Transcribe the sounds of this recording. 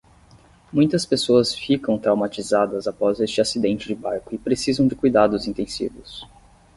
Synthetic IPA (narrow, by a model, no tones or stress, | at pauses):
mũj̃t̪ɐspesoɐsfikɐ̃w̃t̪ɾawmat͡ʃizad̪ɐzapɔzest͡ʃɪasid̪ẽnt͡ʃɪd͡ʒɪbaɾkʊɪpɾesizɐ̃w̃d͡ʒɪkujd̪ad̪ʊzĩnt̪ẽsḭvʊs